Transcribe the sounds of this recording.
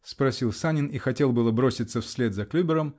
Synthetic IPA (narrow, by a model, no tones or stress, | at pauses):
spɾɐsʲilˠsanʲɪnixɐtʲe̞lˠbɨlˠəbɾo̞sʲɪt̪səfsʲlʲe̞t̪zɐklʲubʲɪɾəm